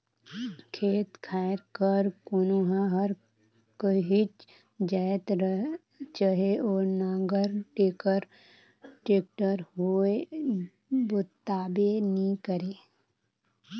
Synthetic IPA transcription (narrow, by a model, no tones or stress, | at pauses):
kʰeːt̪kʰaːɾkəɾkʊnuɦaɦəɾ | kəɦit͡ʃ | d͡ʒaːt̪ɾə | t͡ʃəɦeɔːɾnãːɡəɾʈeːkəɾ | ʈeːk̚ʈəɾɦoe | bʊt̪aːbenikəɾeː